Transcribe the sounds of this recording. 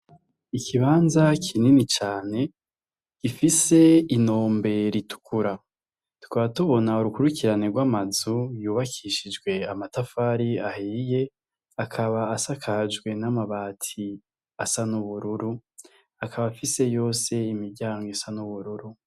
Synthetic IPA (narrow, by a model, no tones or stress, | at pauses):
ikʰiβaːnzakʰininit͡ʃaːne̞ | ɡifise̞ino̞ːmbe̞ɾitu̥kuɾa | tu̥kaβatuβo̞nauɾukuɾukiɾane̞ɡwaːmazujuːβakʰiʃid͡ʒɡwe̞amatafaːɾiahiːje̞ | akʰaβaːsakʰad͡ʒɡwe̞namaβatʰi | asanuβuɾuɾu | akʰaβafise̞jo̞ːse̞imiɾɟaːŋɡisanuβuɾuɾu